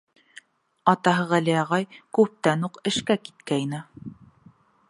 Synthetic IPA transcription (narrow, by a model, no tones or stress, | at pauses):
ɑt̪ɑɦɤʁælijɑʁɑjkʉp̚t̪ænuqɘ̆ʃkækit̪̚kæjnɘ